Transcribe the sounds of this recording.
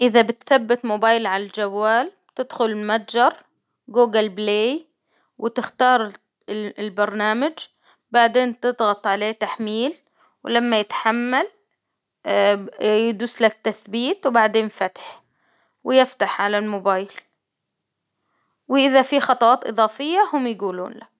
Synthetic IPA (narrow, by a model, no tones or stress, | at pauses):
ʔɪðabɪt̪θabːɪt̪mʊbaːjlʕalald͡ʒawːaːlb̥t̪ɪd̪xʊlmad̪d͡ʒɑɾˤ | ɡuːɡalbleː | wɪt̪ɪxt̪ɑːɾˤ | lbɑɾˤnaːmad͡ʒ | baʕd̪eːnt̪ɨd̪ˤɣɑt̪ˤʕaleːt̪aħmiːl | wɪlamːajɪt̪ħamːal | jɪd̪uːsːlak̚t̪aθbiːt̪wbaʕd̪eːnfat̪ħ | wɪjɪft̪aħʕalalmobaːjl | wɪʔɪðafixɑt̪ˤɑwɑːt̪ʔɨ̰ðˤɑːfɪjːahʊmjɪɡuːlṵːnla